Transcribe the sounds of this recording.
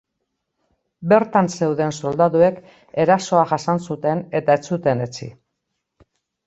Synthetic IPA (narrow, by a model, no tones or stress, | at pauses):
be̞ɾt̪anse̞wðe̞nso̞ld̪aðue̞k | e̞ɾaso̞aʝasansut̪e̞ne̞t̪aet͡sut̪e̞ne̞t͡sḭ